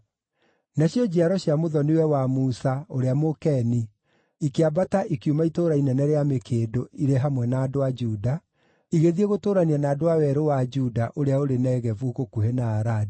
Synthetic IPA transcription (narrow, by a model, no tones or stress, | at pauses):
naɕjɔd͡ʑiaɾɔɕjamoðɔnewɛwamuːsaoɾeamokɛni | ikeabataʔikiumaitoːɾainɛnɛɾeamekʰeːdoiɾeɦamwɛnaːdoad͡ʒuda | iɣeðieɣotoːɾanianaːdoawɛɾowad͡ʒudaʔoɾeaoɾenɛɣɛvuɣokuhenaːɾadi